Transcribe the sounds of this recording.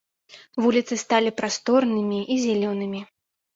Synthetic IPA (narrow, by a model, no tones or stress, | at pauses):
vulʲit̪sɨst̪alʲipɾast̪ɔrnɨmʲiʔizʲɛlʲɔnɨmʲi